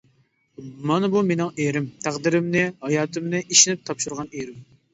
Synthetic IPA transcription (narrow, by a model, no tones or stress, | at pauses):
mɑnɨbumenɪŋeɾɪmt̪ʰæqd̪ɪɾɪmnɪhɑjɑːt̪ʰɨmnɨʔiʃinɪp̚t̪ʰɑpʃuɾʁɑneɾɪm